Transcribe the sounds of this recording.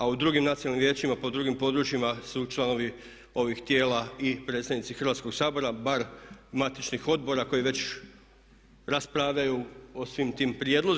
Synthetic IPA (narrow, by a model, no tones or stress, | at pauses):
aud̪ɾuːɡimnat̪sinalnimje̞ːt͡ʃimapo̞d̪ɾuːɡimpo̞d̪ɾut͡ʃjimasut͡ʃlˠano̞ʋi | o̞ʋixt̪je̞ːlaipɾe̞t̪t̪aʋnit̪sixɾ̩ʋat̪sko̞ɡsaːbo̞ɾabaɾmat̪it͡ʃnixo̞d̪̚bo̞ɾako̞jiʋe̞t͡ɕ | ɾaspɾaʋʎajuosʋimt̪iːmpɾjed̪lo̞z